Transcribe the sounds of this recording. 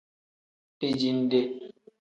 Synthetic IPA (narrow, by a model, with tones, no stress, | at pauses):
pi˦d͡ʒi˦n̩˦de˦